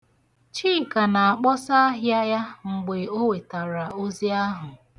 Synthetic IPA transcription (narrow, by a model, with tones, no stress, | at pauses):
t͡ʃiː˦˨ka˨na˨a˨k͡pɔ˦sa˦ɦja˦ja˦ŋ͡m̩˨ɡ͡be˨o˦we˨ta˨ɾa˨o˦zi˦a˦ɦʊ˨